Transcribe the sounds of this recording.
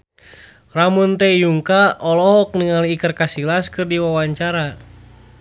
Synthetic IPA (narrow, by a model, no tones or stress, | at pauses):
ramunt̪ɛjuŋkaɔlɔɦɔk̚nəŋaliːkərkasilaskɨrdiwawaɲt͡ʃaɾa